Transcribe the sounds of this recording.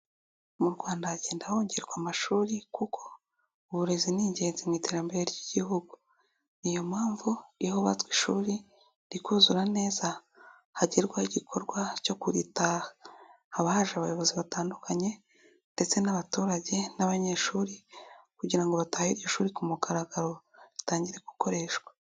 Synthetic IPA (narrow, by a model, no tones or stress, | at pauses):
muɾɡwaːndaaɟe̞ːndaho̞ːɲɟe̞ɾɡwamaʃuːɾikukʰo̞ | uβuɾe̞ziniːɲɟe̞ːnzimŋiːte̞ɾambe̞ɾeɾɟiɟiɦuɡu | nijo̞maːɱvuihoβa̰tkwiʃuːɾi | ɾikuːzuɾane̞ːza | haɟiɾɡwahiɟikʰo̞ɾɡwaco̞kuɾitaːha | haβahaʒaβajo̞βo̞ziβataːndukʰaɲe̞ | nde̞t͡se̞naβatuːɾaɟe̞naβaɲe̞ʃuːɾikuɟiɾaŋɡo̞βatahiɾjo̞ʃuːɾikumuɡaɾaɡaɾo̞ɾitaːɲɟiɾe̞ɡ̥uko̞ɾe̞ːʃwḁ